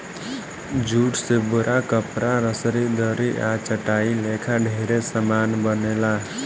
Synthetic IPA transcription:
d͡ʒuːʈsebʊɾʔakəpɾʔaɾəsɾid̪əɾiʔat͡ʃəʈaːilekʰaɖʱeɾesəmaːnbənela

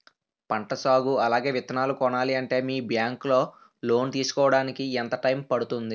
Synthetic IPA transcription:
pɐɳʈɐsaːɡuɐlaːɡe̞ːʋit̪ɐnaːlukɔɳaːliɐɳʈe̞ːmiːbjaːŋklo̞ː | lo̞ːnt̪iːsu̥kɔːʋɐɽaːnikiɛnt̪ɐʈɐjmpɐɽut̪und̪i

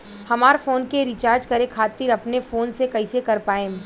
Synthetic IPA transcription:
hɐmaːɾfoːnkeɾit͡ʃaːɾd͡ʒkɐɾekʰaːt̪ɪɾɐpnefoːnsekɐisekɐɾpaːẽː

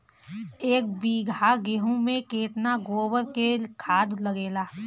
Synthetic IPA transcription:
eːk̚biːɡʱaɡeɦũmẽkeːt̪naɡoːwəɾkekʰaːd̪ləɡeːlaː

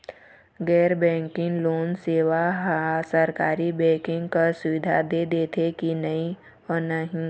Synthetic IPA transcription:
ɡɛːɾbɛ̃ːŋkɪ̃ŋɡloːnseːʋaɦasəɾkaːɾibɛːkɪ̃ŋɡkasʊʋɪd̪ʱad̪eːd̪eːt̪ʰek̪inɐɦĩ | ɔːnəɦĩ

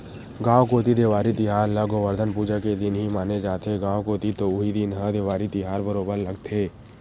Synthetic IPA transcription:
ɡãːʋkoːt̪id̪eːʋaːɾit̪ɪɦaːɾləɡoʋəɾd̪ʱənpuːd͡ʒaked̪ɪnɦimaːned͡ʒaːt̪eɡãːʋkoːt̪it̪oʊɦid̪ɪnɦə̃d̪eːʋaːɾit̪ɪɦaːɾbəɾoːbəɾlɐɡt̪ʰeː

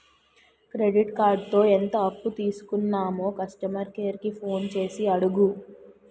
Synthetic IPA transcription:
kɾe̞ɖiʈkaːɾɖ̚t̪o̞ːent̪ɐɐpːut̪iːsu̥kunːaːmo̞ːkɐsʈɐmɐɾkeːɾikipʰo̞ːnt͡ʃe̞ːsiɐɽuɡu

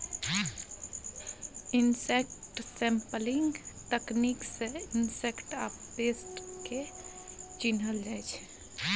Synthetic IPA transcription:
ɪnsekʈsɛ̃mpəlɪ̃ŋɡt̪əknikseɪnsekʈa̰ːp̚t̪eːsʈke | t͡ʃinəld͡ʒat͡ʃʰe

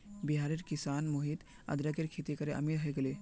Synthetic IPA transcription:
biɦaːɾeɾkisaːnmoɦit̪ | ɐ̰d̪ɾəɡeɾkʰit̪ekəɾeʔɐ̰milɦɐjɡəle

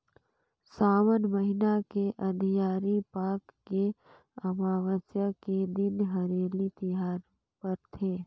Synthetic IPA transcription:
saːʋənməɦɪnakeʔəd̪ʱijaːɾipaːkːe | əmaːʋət͡ʃjəked̪ɪnɦəɾeːlit̪ɪɦaːɾ | pəɾt̪ʰeː

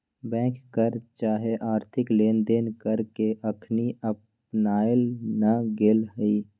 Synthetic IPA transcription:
bɛ̃ːkːəɾt͡ʃaːɦeʔaːɾt̪ʰɪkleːnd̪eːnkəɾkeʔəkʰniəp | naːelnaɡeːlɦəiː

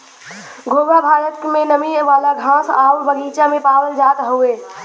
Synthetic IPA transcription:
ɡʱoːbabʱaːɾət̪mẽnəmiʋaːlaɡʱãːsaːwbəɡiːt͡ʃamẽpaːwəld͡ʒaːt̪ɦueː

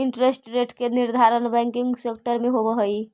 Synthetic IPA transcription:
iɳʈɾesʈɾeʈʰkeniɾd̪ʱaɾənbɛ̃ŋkiŋɡsekʈəɾmeɦobəɦəj

